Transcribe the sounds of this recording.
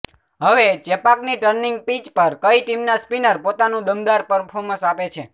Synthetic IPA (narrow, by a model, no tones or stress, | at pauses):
ɦəʋet͡ʃɛpakniʈəɾniŋɡ̚pit͡ʃpəɾkəiʈimnaspinəɾpot̪anũd̪əmd̪aɾpəɾpʰoɾmə̃sapet͡ʃʰe